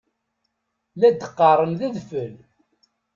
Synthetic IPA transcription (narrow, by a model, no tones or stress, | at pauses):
læd̪əqːɑɾˤənðæðfəl